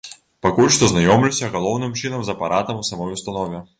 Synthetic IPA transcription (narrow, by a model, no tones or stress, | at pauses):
pakulʲʂt̪ɔznajɔmlʲuwsʲɐɣɐlˠɔwnɨmt͡ʂɨnɐmzɐpaɾʔat̪ɐmusamɔjust̪ɐnɔvʲɛ